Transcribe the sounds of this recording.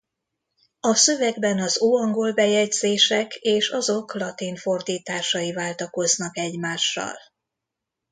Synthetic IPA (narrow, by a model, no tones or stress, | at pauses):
ɒsø̞vɛɡbɛnɒzoːɒŋɡo̞lbɛjɛɟz̥eːʃɛkeːʃɒzo̞klɒt̪iɱfo̞rd̪iːt̪aːʃɒjivaːlt̪ɒko̞znɒkɛɟmaːʃːɒ̰l